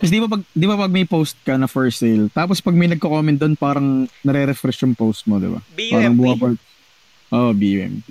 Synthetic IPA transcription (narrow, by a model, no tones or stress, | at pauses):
kɐsd̪ibɐpɐɡ̚ɪnd̪ibɐpɐɡ̚mɐjpowst̪̚kɐnɐfɛɹsejlt̪aːpospɐɡ̚mɐjnɐɡ̚kokoːmɛn̚d̪o̞npaːɾɐŋnɐɾɛɾɛfɾɛʃʊŋpowst̪̚mod̪ɪ̰ba̰bpaːɾɐŋbʊaba | ʔoʔbiʔɛ̰m